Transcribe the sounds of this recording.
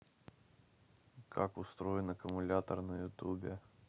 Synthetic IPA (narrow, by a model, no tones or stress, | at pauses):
kʰakʊst̪ɾo̞ɪnəkəmʊlʲat̪ərnəjʊt̪ubʲɪ